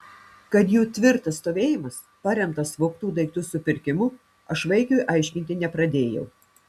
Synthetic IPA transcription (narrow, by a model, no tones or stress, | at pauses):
kɐt̪juːt̪ʲʋʲɪɾt̪ɐsːt̪oːʋʲeːjɪmɐs | pɑɾʲɛmt̪ɐsʋɐʊkt̪uːd̪ɐɪk̚t̪ʊsʊpʲɪɾʲkʲɪmʊ | ɐʃʋɐɪkʲoːjʔɑˑɪʃʲkʲɪnʲt̪ʲɪnʲɛpɾɐd̪ʲeːjɛʊ